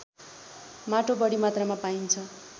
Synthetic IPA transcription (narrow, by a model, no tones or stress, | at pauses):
maʈobʌɽimat̪ramapaint͡sʰʌ